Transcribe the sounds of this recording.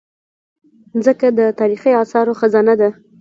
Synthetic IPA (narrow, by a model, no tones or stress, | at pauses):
nzəkad̪ət̪ɑɾixiɑsɑɾoxəzɑnad̪a